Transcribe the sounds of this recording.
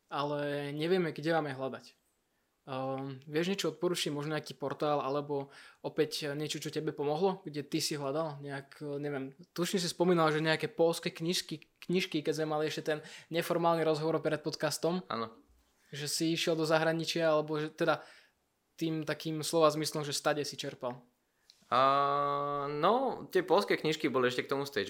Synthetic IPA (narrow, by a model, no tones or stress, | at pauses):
alɛɲɛʋɪɛmɛɡɟɛʋaːmɛɦlad̪ac | ʋɪɛʒɲɛt͡ʃɔɔt̪̚pɔɾuːt͡ʃimɔʒɲɛakiːpɔɾt̪aːlalɛbɔɔpɛcɲɛt͡ʃɔt͡ʃɔcɛbɛpɔmɔɦlɔɡɟɛt̪isiɦlad̪alɲɛakɲɛʋɛmt̪uʃɲɛs̬ispɔmiːnalʒɛɲɛakɛːpɔlskɛkikikɲiʃkikɛzmɛmaliɛʃcɛt̪ɛnɲɛfɔɾmaːlniɾɔzɦɔʋɔɾpɾɛt̪̚pɔt̪kast̪ɔma̰nɔ | ʒɛsiiʃɪɛlˠd̪ɔzaɦɾaɲit͡ʃɪaalɛbɔʒɛt̪ɛd̪a | t̪iːmt̪akiːmslɔʋazmislɔmʒɛst̪aɟɛsit͡ʃɛɾpal | nɔt̪ɪɛpɔlskɛkɲiʃkibɔliɛʃcɛkt̪ɔmust̪ɛd͡ʒ